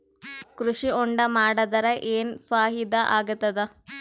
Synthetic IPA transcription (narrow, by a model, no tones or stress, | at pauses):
kɾuʂiuɳɖɐmaːɽɐd̪ɐɾɐʔeːnfaːɦid̪ɐʔaːɡɐt̪ːɐd̪ɐ